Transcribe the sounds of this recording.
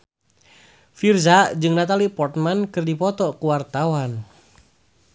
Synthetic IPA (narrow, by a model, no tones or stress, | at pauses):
firzad͡ʒɨŋnat̪alipɔrt̪̚mankɨrdipɔt̪ɔkuwart̪awan